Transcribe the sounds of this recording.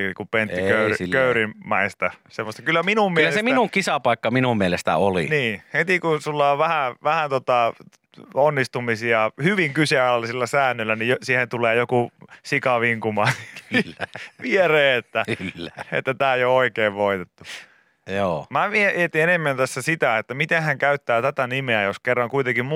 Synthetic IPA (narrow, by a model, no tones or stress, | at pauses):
kupenikøˑyikøyrimmɑist̪ɑsemːost̪ɑkylːæminummiyelːæeseminuŋkisɑpɑˑikːɑminummielest̪æ̰olḭniːhet̪ikusulːɑoʋʋæhæʋæhænt̪ot̪ɑ | onːist̪umisiɑhyʋiŋkyseɑlːɑsilːæsæːnːylːænijjosiːhent̪uleːjokusikɑʋiŋkumɑːnː | ʋiereːet̪ːæklːæḛt̪ːæt̪æːjooikeːʋʋoit̪et̪ːu | joːmæʋieiet̪ienemːænt̪æsːæsit̪æet̪ːæmit̪ẽhhæŋkæyt̪ːæːt̪æt̪ænimeæjoskerːɑŋkuit̪eŋkimm